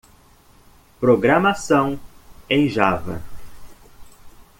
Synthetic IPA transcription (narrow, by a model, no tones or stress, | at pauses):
pɾoɡɾamasɐ̃w̃ẽj̃ʒavɐ̰